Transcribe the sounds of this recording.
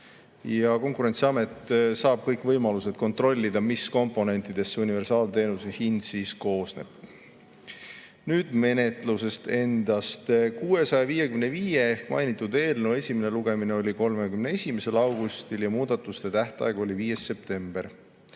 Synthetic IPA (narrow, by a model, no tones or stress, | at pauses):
jɑko̞ŋkuɾe̞nt̪siɑme̞t̪ːˑsɑːb̥̚kɤjkvɤjmɑluse̞d̪̥̚ko̞nt̪ro̞lʲːid̪̥ɑmisko̞mpˑo̞ne̞nʲt̪ˑid̪̥e̞sːeunive̞rsɑːlt̪e̞ːnusehind̪siːsko̞ːsne̞̰b̥ | nyːd̪̥me̞ne̞t̪ˑluse̞st̪e̞nd̪̥ɑst̪kuːe̞sɑjɑviːjekymneviːje̞ehkmɑ̰jnit̪ːˑud̪e̞ːlnewe̞sʲimeneluɡemineo̞lʲiko̞lme̞kymnee̞sʲimese̞lɑwɡ̥ust̪iljɑmuːd̪̥ɑt̪ːˑust̪e̞t̪æht̪ɑ̰eɡ̥uo̞lʲiviːje̞sːe̞p̚t̪e̞mb̥e̞r